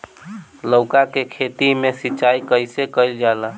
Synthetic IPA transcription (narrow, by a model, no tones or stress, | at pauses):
ləʊkakekʰet̪imesiːt͡ʃajkəjsekəjld͡ʒala